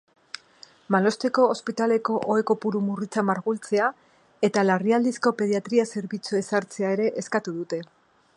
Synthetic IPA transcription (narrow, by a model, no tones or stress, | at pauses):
malo̞st̪e̞ko̞ːspit̪ale̞ko̞ʔoe̞ko̞puɾumurit͡samaɾɣult͡se̞a | e̞t̪alariald̪isko̞pe̞ð̞iat̪ɾiase̞ɾβit͡sue̞saɾt͡se̞aeɾe̞ʔeskat̪uðut̪e̞